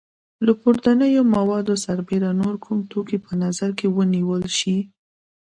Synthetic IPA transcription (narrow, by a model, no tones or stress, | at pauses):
ləpuɾd̪anəjomawɑd̪osaɾbeɾanoɾkʰumt̪okipənazaɾkewəniwəlʃi